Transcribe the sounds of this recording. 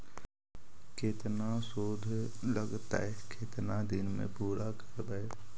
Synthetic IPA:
kʰeːt̪nasoːd̪ʱləɡt̪a̰ɦɛkʰeːt̪nad̪ɪnmḛ̃puːɾakəɾbəe

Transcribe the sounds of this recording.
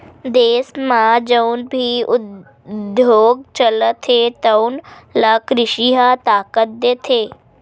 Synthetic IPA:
d̪eːsmãd͡ʒəʊnbʱiʊ | d̪joːɡ̚t͡ʃələt̪ʰːet̪əʊnlakɾɪʃiɦat̪aːkət̪̚d̪eːt̪ʰeː

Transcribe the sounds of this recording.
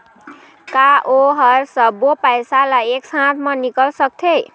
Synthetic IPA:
kaoɦʌɾsʌbopajsalajeksãt̪ʰmanikəlsʌk̚t̪ʰej

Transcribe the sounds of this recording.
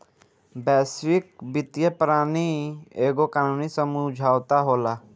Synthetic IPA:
bɛːsʋɪk̚bɪt̪jəpɾaːnieːɡokaːnuːnisəmʊd͡ʒʱaːwt̪aɦoːlaː

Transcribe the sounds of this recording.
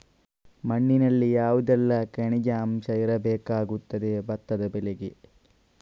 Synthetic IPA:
mɐɳːinɐlːijaːʋud̪ɛlːɐkɐɳid͡ʒaːmʃɐjɐɾɐbeːkaːɡut̪ːɐd̪ebɐt̪ːɐd̪ɐbeleɡi

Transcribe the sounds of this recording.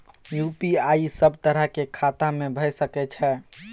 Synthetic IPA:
jupiaisəbʱt̪əɾəɦkekʰat̪amebʱəjsəkɛt͡ʃʰɛ

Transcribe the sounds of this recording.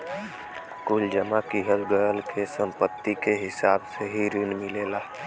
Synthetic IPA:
kʊld͡ʒəmakiɦəlɡəjəlkesə̃mpət̪ːikeɦɪsaːbseɦiɾɪnmɪleːlaː

